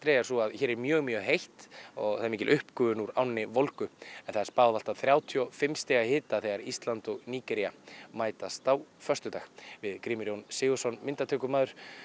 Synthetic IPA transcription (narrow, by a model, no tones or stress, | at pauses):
t̪ɾɛːjaɾ̥suaðçɛːɾɛɾmjœːɣmjœːɦejht̪ɔɣθaðɾmiːcɪlʔʏhpkʏvʏnuɾawnnɪvolkʏɛnθaðɛɾ̥spaːwðal̥t̪aθɾjaːwt̪ʰiɔfɪmst̪ɛːɣahɪːt̪aθɛɣaɾist̪lant̪ɔɣniːkɛɾiamaːjt̪ast̪awfœr̥t̪ʏt̪aːɣvɪðkɾiːmʏɾjownsɪːɣɔsɔnmɪnt̪at̪ʰɛːkʏmaːðʏɾ̥